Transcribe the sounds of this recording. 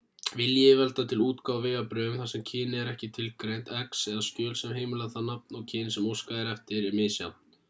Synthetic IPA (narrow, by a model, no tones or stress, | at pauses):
vɪljɪvɛlt̪at̪ʰɪluːt̪kaːwvɪːɣapɾœːɣʏmθasɛmcʰɪːnɛɾɛhcɪt̪ʰɪlkɾejn̥t̪ɛksɛðascœːlsɛmɦeːjmʏlaθanap̚nɔwcʰɪnsɛmowskaɛɾɛft̪ɪɾɛɾmɪðsja̰wn̥t̪